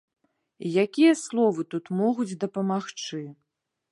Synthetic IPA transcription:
ijakʲijɐslˠɔvɨt̪ut̪mɔɣud͡zʲd̪ɐpɐmaxt͡ʂɨ

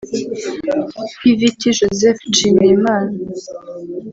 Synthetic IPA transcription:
pivitiʒozeft͡ʃimiɾimaːna

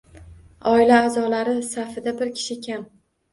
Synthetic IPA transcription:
ɒɪlaːzɒlaɾɪsafɪd̪abɪɾkʲʰɪ̥ʃɪkʲʰam

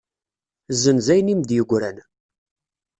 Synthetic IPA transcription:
zənzæjnimd̪jəɡʷɾæn

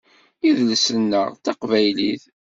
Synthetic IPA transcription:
iðləsənːəʁt͡sɑqvæjliθ

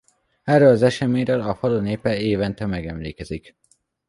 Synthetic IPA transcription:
ɛrːølɒzɛʃɛmeːɲɾølɒfɒloneːpɛeːvɛnt̪ɛmɛɡɛmlḛːkɛzik

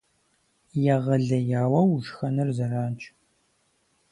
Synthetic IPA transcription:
jaʁɐɮɐjaːwɐwʒxɐnɨrzɐraːnt͡ʃʰʼ

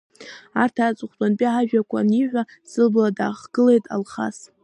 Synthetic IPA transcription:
artʰaːt͡sʷʼɨχʷtʼanpʼiʕaʒᶣakʷʰa̰niħᶣʷa | sɨlbladaːχɡ̥ɨlejtʼa̰lχa̰s

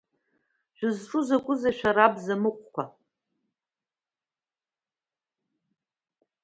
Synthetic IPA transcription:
ʒᶣʷʊzʈ͡ʂʼʊzakʷʼʊzaʃᶣaɾabzamɨqʷʼkʷʰa

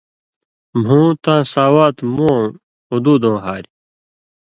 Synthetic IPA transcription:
mɦũːt̪ãːsaːwaːt̪mũ | ud̪uːd̪õːɦaːɾ

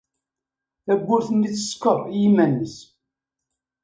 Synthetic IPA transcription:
θæbʷːʊɾθənːit͡sːə̥skːəðˤjimænːəs

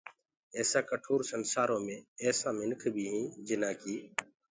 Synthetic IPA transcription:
ɛːsaːkəʈʰoːɾsənsaːɾõːmẽːɛːsaːmɪnkʰbʱiːɦĩːd͡ʒɪnãːkiː

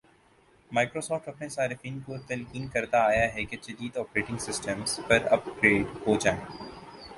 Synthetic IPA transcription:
maːɪkɾoːsɔːfʈɐpnesaːɾɪfiːnkot̪ɛlkiːnkɐɾt̪aːjaɦɛket͡ʃɐd̪iːd̪ɔːpɾeːʈɪ̃ŋɡsɪsʈəmzpɐɾɐ̰p̚ɡɾeːɖɦoːd͡ʒaːẽː

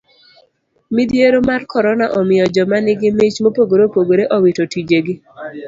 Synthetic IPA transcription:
mid̪jeɾomarkɔɾɔnaʔɔmɪjɔd͡ʒɔmanɪɡɪmɪt͡ʃmopoɡoɾopoɡoɾeʔɔwitotid͡ʒeɡɪ

